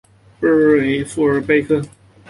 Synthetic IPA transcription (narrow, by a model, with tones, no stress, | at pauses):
pə˥˨e˧fu˥ə˨˧˥pe˥˧ɪkʰɤ˥˨